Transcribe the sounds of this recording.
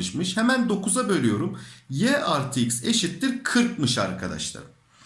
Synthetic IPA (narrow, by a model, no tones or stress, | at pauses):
ɯʃmɯʃhemænd̪o̞kʰuzabø̞lʲijo̞ɾumjɛʔaɾt̪ʰikse̞ʃit̪ːiɾkʰɯɾk̚mɯʃa̰ɾkʰad̪a̰ʃlˠa̰ɾ